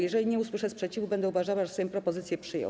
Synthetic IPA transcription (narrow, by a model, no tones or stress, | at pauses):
jɛʐɛlʲiɲɛuswɘʂɛspʂɛt͡ɕivubɛnd̪ɛuvaʐawaʐɛsɛjɔ̃pɾɔpɔzɘt̪sʲjɛpʂɘjɔ̰̃